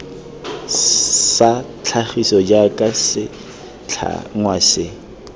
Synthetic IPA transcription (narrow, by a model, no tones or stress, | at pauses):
sa | t͡ɬʰaχisɔd͡ʒakʼasɪ | t͡ɬʰa̰ŋŋwasɪ